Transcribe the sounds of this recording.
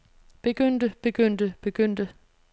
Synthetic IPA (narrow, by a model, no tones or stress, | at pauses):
b̥e̝ɡ̥øn̰d̥əb̥e̝ɡ̥øn̰d̥əb̥e̝ɡ̥øn̰d̥ə